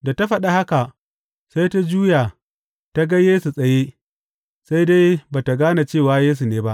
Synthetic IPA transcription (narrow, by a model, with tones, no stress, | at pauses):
da˨ta˦ɸɐ˦ɗa˦ha˦ka˨ | sa˦jta˦d͡ʒuː˦ja˨ | ta˦ɡa˦jeː˦su˨sʼɐ˨je˦ | sa˦jda˦jbaː˨ta˨ɡaː˦na˨t͡ʃeː˦˨waː˦jeː˦s̬u˨neː˨˦ba˦ʔ